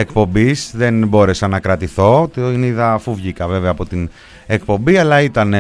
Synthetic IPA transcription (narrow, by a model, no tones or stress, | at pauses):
ek̚po̞mbizðe̞nbo̞ɾe̞sɐnɐkɾɐt̪iθo̞t̪niðɐfuvʝikɐve̞veɐːpo̞t̪in | ekpo̞mbiɐlɐit̪ɐn